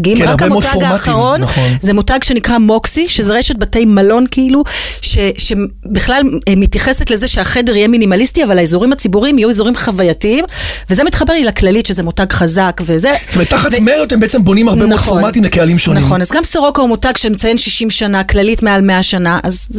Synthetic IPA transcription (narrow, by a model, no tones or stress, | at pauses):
ɡimmʁakaemootaɡaːmaχaʁo̞nzemutaɡʃe̞nikʁamo̞ksiʃezeʁeʃet̚batejmalo̞nkiiluʃe̞ʃe̞ | biχlalmitjaχesetlezeʃeaχe̞deʁijeminimalistiavalaizuʁimat͡sibuʁimijuizuʁimχavajatiimvezemitχabe̞ʁilaklalitʃezemutaɡχazakve̞ze̥tometːaχavmeot̪embeet͡sembo̞nimaʁemoofomatimlekealimʃonmnaχo̞nazɡamsoʁo̞kaumutaɡʃemet͡saje̞nʃiʃimʃanaklalitmealmeaʃanaʔaz